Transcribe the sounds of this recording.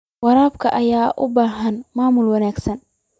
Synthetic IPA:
wɑɾaːbkʰɐʔɐjaːʔʊbaːɦɐnmaːmʊlwɑnaːɡsɐn

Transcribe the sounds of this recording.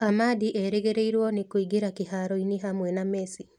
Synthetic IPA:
amadiʔɛɾeɣeɾeiɾwɔnekoiɡeɾakeɦaɾɔineɦamwɛnamɛsi

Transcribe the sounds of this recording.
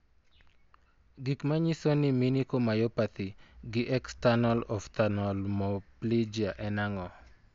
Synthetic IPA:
ɡikmaɲisoniminikomajɔpat̪iɡɪʔɛkstanɔlɔft̪anɔlmɔplid͡ʒiaʔɛnaŋɔ

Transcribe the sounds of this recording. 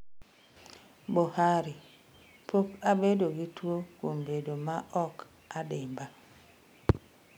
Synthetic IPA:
bohaɾi | pʰokabedoɡitwokombedomaʔɔk | adɪmba

